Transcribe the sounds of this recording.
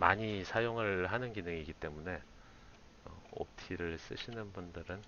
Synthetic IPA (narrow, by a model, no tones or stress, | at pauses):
maɲisʰajoŋɯɭɦanɯnɡinɯŋiɡit͈e̞mune̞ | ʌ̰o̰p̚tʰiɾɯɭs͈ɯ̰ɕʰinɯnbundɯɾɯn